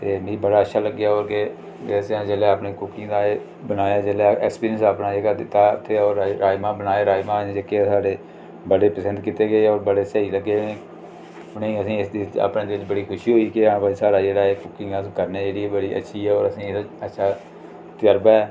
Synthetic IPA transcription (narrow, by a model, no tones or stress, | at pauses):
t̪eːniːbəɽaːətːʃʰaːləɡːejaːoːɾke | esãːd͡ʒeːlɛːaːpniːkʊkːɪ̃ŋɡd̪ãːeː | bənaːjaːd͡ʒeːlɛːɛkspiːɾənsaːpnaːd͡ʒeːkad̪t̪aːt̪ʰːeːoːɾɾaːɪmãːbənaːeːɾaːjmãːsĩːd͡ʒəkːesaːɽeː | bəɽeːpəsə̃nd̪kɪt̪eːɡeeɔːɾbəɽeːsɛːiːləɡːeːẽː | ʊnẽːəsĩːɪsd̪ɪa̰pneːd̪eːɪt͡ʃbəɽiːkʰʊʃiːɦoːiːkɪaəsaːɽaːd͡ʒeːɽaːeːkʊkːɪ̃ŋaskəɾneːd͡ʒeːɽiːɛbəɽiːʔə̰tːʃʰiːɛːoːɾəsĩːsətːʃʰaː | t̪ɪjəɾbaɛː